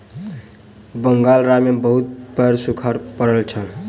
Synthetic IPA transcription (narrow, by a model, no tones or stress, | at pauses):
bəŋɡalɾamebəɦut̪̚pəɾsukʰaɾpəɾəlt͡ʃʰəl